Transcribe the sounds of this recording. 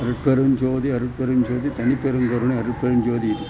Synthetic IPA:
ɐɾɯʈ̚peɾɯnd͡ʒoːðiɐɾɯʈ̚peɾɯmd͡ʒoːðit̪ɐnipːeɾɯŋɡɐɾuɳiɐɾɯʈ̚peɾɯnd͡ʒoːðiði

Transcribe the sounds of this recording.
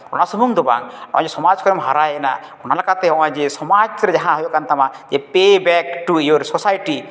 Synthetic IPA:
ɔ̰nasɔmuŋd̪ɔba̰ŋɔ̰̃d͡ʒesɔmad͡ʒkɔɾemɦaɾajena̰ɔnalakat̪eɔwãd͡ʒesɔmad͡ʒt̪ɾed͡ʒaɦãɦɔjokant̪amad͡ʒepebɛkʈuijoɾsɔsajʈi

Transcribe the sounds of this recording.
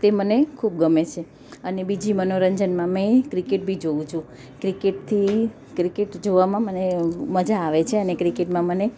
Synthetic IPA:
t̪emənekʰub̚ɡəmet͡ʃʰe | ənebid͡ʒimənoɾəɲd͡ʒənmãmẽkɾikeʈ̚bʱid͡ʒoʋũt͡ʃʰũ | kɾikeʈ̚t̪ʰi | kɾikeʈd͡ʒoʋamãməneməd͡ʒaːʋet͡ʃʰeənekɾikeʈmãməne

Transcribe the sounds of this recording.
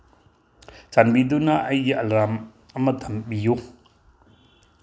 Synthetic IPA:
t͡ʃanbid̪unaʔɐjiʔɐlɾam | ɐmɐt̪ʰɐmbiju

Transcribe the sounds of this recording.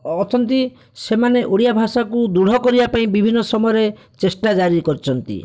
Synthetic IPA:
ɔt̪ʰɔnt̪i | semaneʔoɽijabʱasakud̪uɽ̤ɔkɔɾibapaĩbibʱinːɔsɔmɔjɔɾe | t͡ʃesʈad͡ʒaɾikɔɾit͡ʃʰɔnt̪ḭ

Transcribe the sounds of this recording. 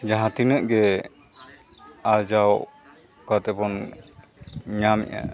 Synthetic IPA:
d͡ʒaɦãt̪inəʔɡɛ | ad͡ʒaw | kat̪ɛbɔn | ɲamɛ̰ʔa̰

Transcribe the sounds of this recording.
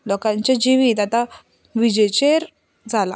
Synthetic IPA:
lɔkãɲt͡ɕad͡ʑiʋiːt̪at̪a | ʋid͡ʑet͡ɕeɾ | d͡zala̰

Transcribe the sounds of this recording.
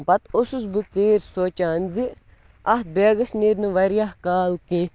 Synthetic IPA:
pɐt̪osus̬bɨt͡seːɾsoːt͡ʃaːnzɨ | ɐt̪̚beːɡɐsniɾnɨʋɐɾijaɦkaːlki

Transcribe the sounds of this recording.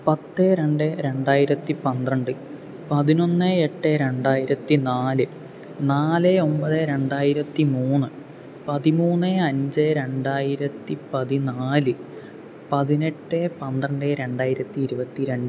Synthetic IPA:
pɐt̪ːeːɾe̞ɳɖeɾe̞ɳɖaːjiɾɐt̪ːipɐnd̪rɐɳɖɨ | pɐðino̞nːɨeʈːeɾe̞ɳɖaːjiɾɐt̪ːinaːlɨ | naːleo̞mbɐðeɾe̞ɳɖaːjiɾɐt̪ːimuːnːɨ | pɐðimuːnːeɐɲd͡ʑeɾe̞ɳɖaːjiɾɐt̪ːipɐðinaːlɨ | pɐðine̞ʈːepɐnd̪rɐɳɖeːɾe̞ɳɖaːjiɾɐt̪ːiːɾubɐt̪ːiɾeɳɖ

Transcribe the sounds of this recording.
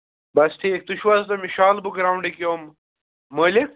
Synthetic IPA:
bɐst̪ʰiːk̚t̪uʃʋaːzt̪ɐmiʃaːlbukɾaːwɳɖekomː | əːlek̚

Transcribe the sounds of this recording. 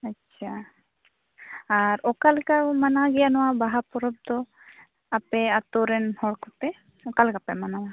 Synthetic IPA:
atːʃʰa | aɾɔkalkamanaɡɛjanɔwabaɦapɔɾɔb̚d̪ɔ | apɛat̪ɔɾɛnhɔɽkɔt̪ɛ | ɔkalkapɛmanawa

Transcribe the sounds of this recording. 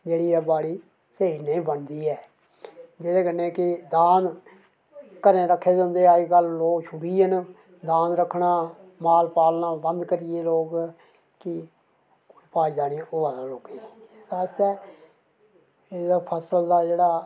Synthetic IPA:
d͡ʒeːɽiːɛːbaːɽiː | seːineĩːbənd̪iːɛː | d͡ʒed̪eːkənːẽːkɪd̪aːn | kəɾẽːɾəkʰːeːd̪ə̃ːnd̪eːaːikəlːoːkʃʰʊbiːən | d̪aːnɾəkʰːɳaː | maːlpaːlnãːbənd̪kəɾɪjeːloːk | kɪ | ipaːiːd̪aːnioaːd̪aːloːkeɛːdaːst̪ɛː | ed̪apʰəsəld̪aːd͡ʒeːɽaː

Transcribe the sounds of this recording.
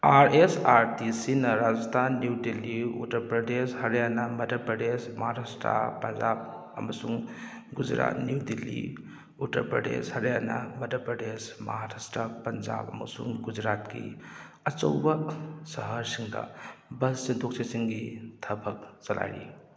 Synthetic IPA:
aɾesaɾtisinɐɾad͡ʒɐst̪ʰanːjuwdiliṵtɐɾpɾɐdeshɐɾjanɐmɐdʱɐpɾɐdesmɐɦaɾastɾa̰pːɐnd͡ʒab̚ | ɐmɐsuŋ | ɡud͡ʒɾa̰t̚njudilːḭ | utɐ̰ɾpɾɐdḛshɐɾjanɐ̰mɐdʱɐpɾɐdesmɐɦaɾastɾapːɐnd͡ʒa̰bɐ̰mɐ̰sṵŋɡud͡ʒɾat̚kḭ | ɐt͡ʃɐwbɐsɐɦɐɾsiŋdɐ̰bɐssint̪ʰok̚sʰisiŋɡitʰɐbɐk̚t͡ʃɐla̰jɾḭ

